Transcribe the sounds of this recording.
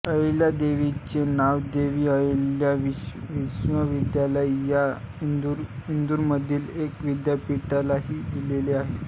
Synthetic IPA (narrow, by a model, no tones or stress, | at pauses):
əljad̪eʋit͡ɕenaʋd̪eʋiːəljaʋiʋiɕʋəʋid̪jaləjja | ind̪uɾind̪uɾməd̪ʱiːlekʋid̪japiʈalaɦiːd̪ileleaɦe